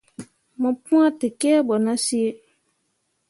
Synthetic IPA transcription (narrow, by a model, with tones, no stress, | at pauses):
mɔ̃˨pũ˦ã˦te˨kɛ˦bɔ˨nã˦si˦e˦